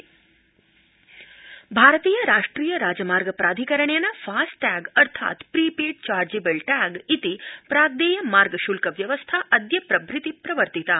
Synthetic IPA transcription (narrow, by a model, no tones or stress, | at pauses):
bʱaːɾət̪iːjɐɾaːʂʈɾiːjɐɾaːd͡ʒəmaːɾɡəpɾaːd̪ʱikɐɾəɳjenafʰasʈʈɛɡɐɾt̪ʰa̰ːt̪pɾipiɖ̚t͡ʃaːɾd͡ʒibəlʈɛɡit̪ipɾaːɡd̪eːjɐmaːɾɡəʃulkəʋjɐʋəst̪ʰaʔɐd̪jɐpɾɐbʱɾɪt̪ipɾɐʋəɾt̪it̪a